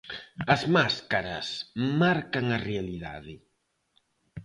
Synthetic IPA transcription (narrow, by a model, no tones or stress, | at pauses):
ɐzmaskaɾɐ̰smaɾkaŋɐrealiða̰ðɪ